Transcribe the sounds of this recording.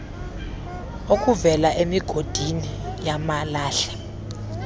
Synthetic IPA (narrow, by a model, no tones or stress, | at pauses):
ok̬ʼuvɛlaʔemiɡ̥ʱod̥ʱinijamalaːɬɛ̥